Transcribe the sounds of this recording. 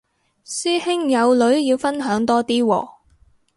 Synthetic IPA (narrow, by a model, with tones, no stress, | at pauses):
syː˥hɪ˥ŋjɐ˨˧wlɵ˨˥ɥjiː˧wfɐ˥nɦœː˨˥ŋt̪ɔː˥t̪iː˥wɔ̰ː˧